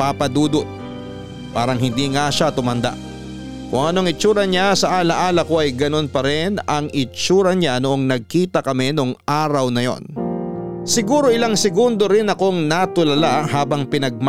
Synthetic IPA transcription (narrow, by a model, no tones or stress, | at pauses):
papɐd̪uːd̪oʔ | paːɾɐŋhɪnd̪iːŋaʃat̪ʊmɐnd̪a̰ʔ | kʊŋɐnoɐŋɪt͡ʃuːɾɐɲasɐʔaːlɐʔaːlɐko̞ʔɐjɡɐno̞npɐɾɪnɐŋɪt͡ʃuːɾɐɲanoʔoŋnɐɡ̚kiːt̪ɐkɐmɛnoŋʔaːɾɐwnɐjo̞̰n | sɪɡuːɾo̞ɪlaŋsɪɡʊnd̪o̞ɾɪnɐko̞ŋnɐt̪ʊlɐlahaːbɐŋpɪnɐɡ̚m